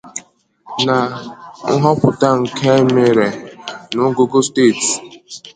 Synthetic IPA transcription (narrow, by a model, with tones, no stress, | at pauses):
na˨ŋ̩˦ɦɔ˦pʊ˨ta˦ŋ̩˨kʰe˦me˨ɾe˨nʊ˨˦ɡo˦ɡo˦steː˦˨t